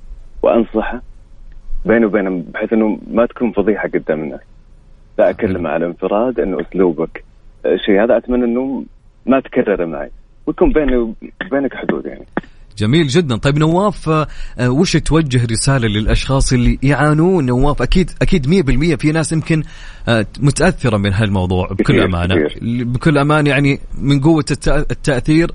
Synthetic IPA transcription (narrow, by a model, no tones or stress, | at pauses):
w̰ʔɑ̰nsˤɑħa | beːnwbeːnabħeːθʔɪnːumat̪ḁkuːnfɑðˤiːħaɡʊd̪ːamna | laʔakalːamaʕalʔɪnfɨɾˤɑːd̪ʔɪnːuʔʊsluːbak | ʃiːhaːðaʔat̪manːʔɪnːu | mat̪karːɑɾˤma̰ʕa̰ | wjakuːmbeːnbeːnakħʊd̪ṵːd̪ja̰ʕnid͡ʒamiːld͡ʒɪd̪ːant̪ˤɑjːbnawːaːf | wɪʃt̪wad͡ʒːɪɦɾɪsaːlalɪlʔɑʃxɑːsˤʔɪlːijʕaːnuːnːawːaːfʔakiːd̪ʔakiːd̪mɪjːabɪlmɪjːafinaːsjɪmkɪn | mʊt̪aʔaθːɪɾˤabeːnɦaːðalmɑwðˤṵːʕbkʊlːʔa̰ma̰ːnaḭːɾbɪkʊlːʔamaːnjaʕnimɪnɡʊwːat̪ːaʔθiːɾ